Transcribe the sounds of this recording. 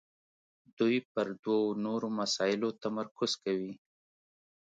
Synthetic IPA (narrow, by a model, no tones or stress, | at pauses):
d̪̥ujpəɾd̪wanoɾomasɑjɪlot̪amaɾkʊz̥kawi